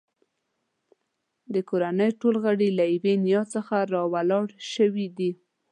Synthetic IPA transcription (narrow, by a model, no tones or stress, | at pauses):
d̪əkoɾanəjʈolɣəɽilajwenijɑt͡səxaɾɑwalɑɽʃəwid̪i